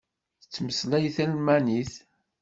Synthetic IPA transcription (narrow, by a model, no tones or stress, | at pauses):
θət͡sːməslæjθælmæniθ